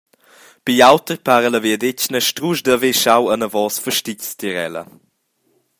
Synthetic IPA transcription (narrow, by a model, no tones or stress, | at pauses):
piawtəɾpaːɾələviədɪcnəʃtɾuʒdəveʃawənəvɔːsfəʃticstiɾɛ̰lə̰